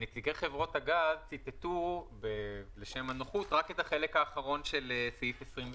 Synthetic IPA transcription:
nekt͡siɡejχevʁo̞thaɡazt͡sit̪etubeleʃe̞manoχutʁake̞taχe̞lekaːχaʁo̞nʃe̞leseifesʁimv

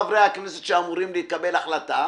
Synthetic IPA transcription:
avɾejhaknese̥t̪ʃeamuʁimliikabelaχlata

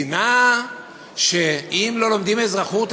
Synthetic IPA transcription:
na | ʃeimlo̞lomd̪imezʁaχut̪

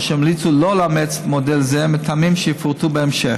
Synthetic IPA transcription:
ʃɛɪmlit͡sulolamet͡smodelzemet̪ʰamimʃɛjəfuʁt̪ubeemʃeχ

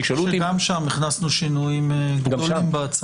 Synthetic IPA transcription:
kʃolutɡamʃamniχnasnuʃinujimɡɡdaolimbeat͡s

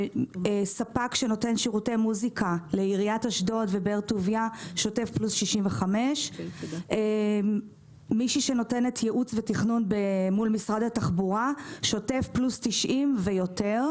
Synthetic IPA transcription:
sapakʃeno̞te̞nʃiʁute̞jmuzikʰaleiʁiataʃdo̞tvebeʁtuvjaʃo̞te̞fplusʃiʃimveχame̞ʃ | miʃiʃe̞no̞te̞netʰjeʔut͡svetiχnunbemulmisʁad̪ataχbuʁaʃo̞te̞fplustiʃʔimvejo̞te̞ʁ

